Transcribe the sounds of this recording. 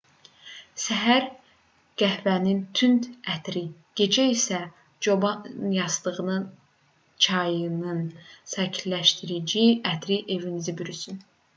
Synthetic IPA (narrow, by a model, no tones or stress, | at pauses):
sæɦæɾ | ɡ̥æhvænint̪ʰynt̪æt̪ʰɾiɟ̥e̞d͡ʒæisæ | d͡ʒobɑnjɑsd̪ɯʁɯnɯn | t͡ʃʰɑjɯnɯnsæcʰilæʃt̪iɾid͡ʒiæt̪ʰɾiʔe̞vinizibyɾysyn